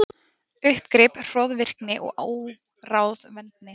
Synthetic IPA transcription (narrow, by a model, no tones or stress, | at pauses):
ʏhpkɾɪpr̥ɔːðvɪr̥knɪʔɔ̰ɣʔa̰ːw | raːwðvɛnt̪̚nɪ